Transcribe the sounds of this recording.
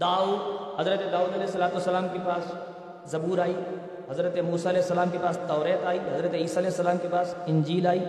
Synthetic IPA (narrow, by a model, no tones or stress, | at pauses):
d̪aːuːd̪hɐzɾət̪ed̪aːuːd̪ɐlɛːɦsːɐlaːt̪uʋəsːɐlaːmkepaːs | zɐbuːɾaːiː | ɦɐzɾət̪emuːsaɐlɛːɪsːɐlaːmkepaːst̪ɔːɾeːt̪aːiːɦɐzɾət̪eiːsaɐlɛːɦɪsːɐlaːmkepaːsɪ̃ɲd͡ʒiːlaːiː